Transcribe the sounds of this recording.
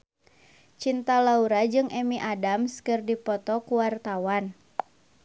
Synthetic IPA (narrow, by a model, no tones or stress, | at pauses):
t͡ʃint̪alauɾad͡ʒɨŋʔɛmiʔadamskɨrdipɔt̪ɔkuwart̪awan